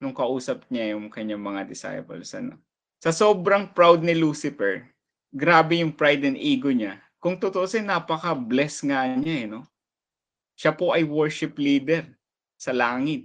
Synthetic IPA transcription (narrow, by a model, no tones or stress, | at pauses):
nʊŋkɐʔuːsɐp̚ɲajʊŋkɐɲaŋmɐŋad̪ɪsa̰jpɐ̰lsɐ̰no̰ | sɐso̞ːbɾɐŋpɾawd̪̚nɪluːsɪfɛɹ | ɡɾaːbɛjʊŋpɹajd̪ɛnʔiːɡoɲa | kʊŋt̪ot̪oʔosɛnːapɐkɐblɛsŋaɲaʔɛno̞ | ʃapo̞ʔɐjwɛɹʃɪpliːd̪ɛɹ | sɐlaːŋɪt̪̚